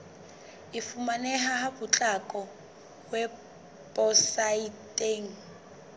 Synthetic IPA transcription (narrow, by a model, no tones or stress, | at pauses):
ɪfumanɛɦaɦabut͡ɬʼakʼɔ | wɛ | pʼɔsaitʼeːŋ̩